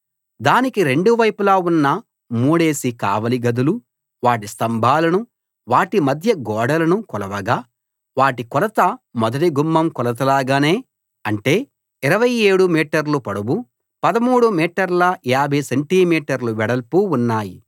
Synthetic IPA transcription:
d̪aːnikiɾeɳɖuʋɐjpulaːunːɐ | muːɽe̞ːsika̰ːʋɐliɡɐd̪ulu | ʋaːʈist̪ɐmbʱaːlɐnu | ʋaːʈimɐd̪ʱjɐɡɔːɽɐlɐnukɔlɐʋɐɡaː | ʋaːʈikɔlɐt̪ɐmɔd̪ɐʈiɡumːɐmkɔlɐt̪̬ɐlaːɡaːne̞ː | ɐɳʈe̞ː | iɾɐʋɐje̞ːɽumiːʈɐɾlupɐɽɐbu | pɐd̪ɐmuːɽumiːʈɐɾlɐjaːbʱɐjseɳʈiːmiːʈɐɾluʋɛɽɐlpuunːaːjḭ

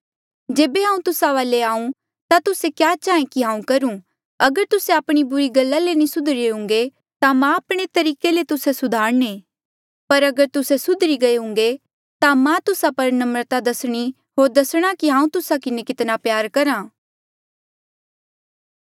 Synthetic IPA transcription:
d͡ʒeːbeɦãːũt̪ʊsaʋaːleaːũ | t̪at̪ʊsekjaːt͡ʃaːẽkiɦãːũkɐɾũ | ɐɡəɾt̪ʊseaːpɽ̃ibʊɾiɡɐlːalenĩsʊd̪ʱɾeʊ̃ŋɡe | t̪amãːpɽ̃et̪ɐɾiːkelet̪ʊsesʊd̪ʱaːɾne | pɐɾɐɡəɾt̪ʊsesʊd̪ʱɾiɡɐeɦʊ̃ŋ̆ɡe | t̪amãt̪ʊsapɐɾnɐmɾət̪ad̪ɐsɽ̃i | ɦoːɾd̪ɐsɽ̃akiɦãːũt̪ʊsakɪnekɪt̪napjaːɾkɐɾãː

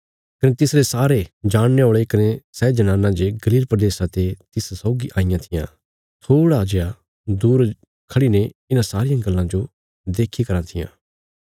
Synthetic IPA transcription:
kɐnet̪ɪsɾesaːɾed͡ʒaːɽ̃neoːɭekɐnesɛːd͡ʒɐnãːnːãd͡ʒeɡɐliːlpɾɐd̪eːsãt̪et̪ɪssɔʊɡiʔaːɪjãt̪ʰɪjã̰ | t̪ʰoːɽad͡ʒeja | d̪uːɾ | kʰɐɽineɪnãsaːɾɪjãɡɐlːãd͡ʒo | d̪eːkʰikɐɾãt̪ʰɪjã̰ː

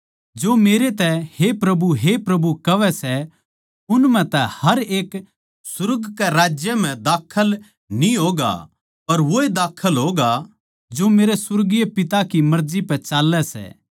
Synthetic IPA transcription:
d͡ʒoːmeːɾet̪ɛhepɾɐbuɦepɾɐbukɐʋɛsɛ | ʊnmɛ̃t̪ɛhɐɾeːk | sʊɾəɡkɛɾaːd͡ʒjəm̤ɛ̃d̪aːkʰəl | nĩɦoːɡa̰ | pɐɾʋoːed̪aːkʰːəlɦoːɡa | d͡ʒoːmeːɾesʊɾɡijepɪt̪akimɐɾd͡ʒipɛt͡ʃaːlːɛsɛ̰ː

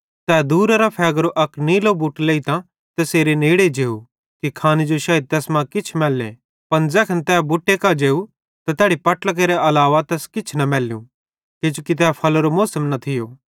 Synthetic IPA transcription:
t̪ɛːd̪uːɾəɾapʰɛːɡɾoʔɐkniːlobʊʈleːit̪ã | t̪ɛseːɾeneːɽed͡ʒeːu | kikʰaːnid͡ʒoʃaːjd̪̚t̪ɛːsmãkɪt͡ʃʰmɛːlːḛ | pɐnd͡zɛːkʰənt̪ɛːbʊʈːekad͡ʒeːu | t̪ɐt̪ɛːɽipɐʈlək̬eːɾeɐlaːʋat̪ɛːskɪt͡ʃʰnɐmɛːljṵ̃ | ked͡ʒukit̪̬ɛːpʰɐloɾomoːsəmnɐt̪ʰɪjoː

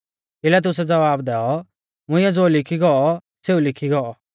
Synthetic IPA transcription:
ɪlɛt̪ʊs̬ɛd͡zɐʋaːbd̪ɛːɔ | mʊ̃ɪ̃jɛ̃d͡zoːlɪkʰiɡɔɔ | seulɪkʰiɡɔɔ

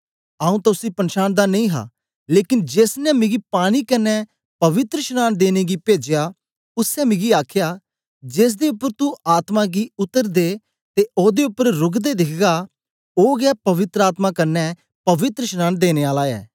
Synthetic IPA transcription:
aːũːt̪aʊsiːpənʃaːnd̪aːnəĩːɦa̰ː | leːkɪnd͡ʒeːsnɛ̃ːmɪɡiːpaːñiːkənːɛː | pəʋɪt̪ɾəʃnaːnd̪eːneːɡiːpeːd͡ʒejaː | ʊsɛːmɪɡiːaːkʰjaː | d͡ʒeːs̬d̪eːʊpːəɾt̪ũːaːt̪mãːɡiːʊt̪ːəɾd̪eː | t̪eːʔoːd̪eːʊpːəɾɾʊɡd̪eːd̪ɪkʰɡaː | oːɡaːpəʋɪt̪ɾəaːt̪mãːkəɾnɛː | pəʋɪt̪ɾəʃnaːnd̪eːneːaːlaːɛ̰ː

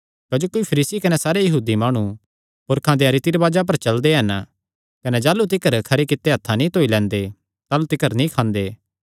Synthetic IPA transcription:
kɐd͡ʒoːkoipʰɐɾiːsikɐnɛsaːɾejɐɦuːd̪imaːɽ̃ũ | pʊɾkʰãd̪eɐɾɪt̪iɾbaːd͡ʒap̬ɐɾt͡ʃɐld̪eɦɐn | kɐnɛd͡ʒaːlut̪ɪkəɾkʰɐɾekɪt̪ːeɦɐt̪ʰːanĩt̪oːilɛ̃ːnd̪e | t̪aːlut̪ɪkəɾnĩkʰãːnd̪eː

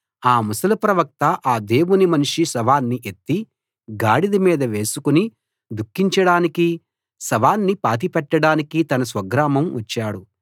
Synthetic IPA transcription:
aːmusɐlɐpɾɐʋɐk̚t̪ɐʔaːd̪e̞ːwunimɐnʂisɐʋaːnːiʔet̪ːi | ɡaːɽid̪imiːd̪ɐʋe̞ːsukuni | d̪ukːiɲt͡ʃɐɽaːniki | sɐʋaːnːipaːt̪̬ipɛʈːɐɽaːnikit̪ɐnɐsʋɐɡɾaːmɐmʋɐt͡ʃːaːɽu

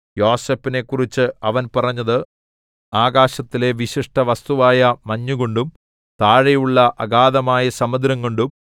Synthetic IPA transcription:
jo̞ːse̞ːpːine̞kːurit͡ɕːɨɐʋɐnpɐrɐɲːɐðɨ | aːɡaːɕɐt̪ːile̞ʋiɕiʂʈɐʋɐst̪uʋaːjɐmɐɲːuɣoɳɖum | t̪aːɻɐjuɭːɐʔɐɡaːðɐmaːjɐsɐmɐd̪ɾɐŋɡoɳɖum

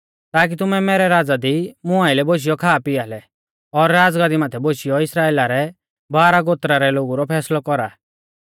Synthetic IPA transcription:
t̪aːk̬it̪ʊmɛmɛːɾɛɾaːd͡zad̪imʊaɪlɛboʃ̬ɪjɔkʰaːpɪaːlɛ | ɔɾːaːd͡zɡaːd̪imaːt̪ʰɛboʃijɔɪsɾaːeːlaɾɛ | baːɾaɡoːt̪ɾaɾɛloːɡuɾɔpʰɛːslɔkɔɾaː

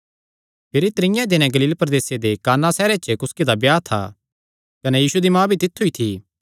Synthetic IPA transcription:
pʰɪɾit̪ɾɪ̃jãd̪ɪnɛ̃ɡɐliːlpɾɐd̪eːsed̪ekaːnasɛːɾet͡ʃəkʊsked̪abjaːt̪ʰa̰ | kɐnɛjiːsud̪imãːbʱit̪ɪt̪ʰːuit̪ʰiː

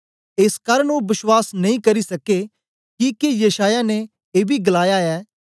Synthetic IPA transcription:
eːskaːɾəɳobɪswaːsnɐĩkɐɾisɐke | kikejɐʃaːjane | eːbʱiɡlaːjaɛː

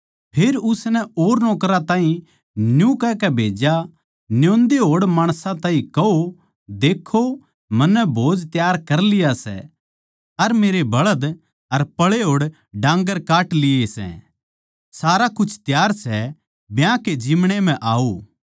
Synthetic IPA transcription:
pʰeːɾʊsnɛoːɾnɔːkɾat̪ãːɦĩ | njũkɛkɛbʱeːd͡ʒa | njõːnd̪eɦoːɽmaːɽ̃sãt̪ãːɦĩkɐo | d̪eːkʰːo | mɐnːɛbʱoːd͡ʒt̪jaːɾkɐɾlɪjasɛ̰ | ɐɾmeːɾebɐɭəd̪ | ɐɾpɐɭeɦoːɽ | ɖãːŋɡəɾkaːʈlɪesɛ̰̃ | saːɾakʊt͡ʃʰt̪jaːɾsɛ | bjãked͡ʒiːmɽ̃em̤ɛ̃ʔaːo

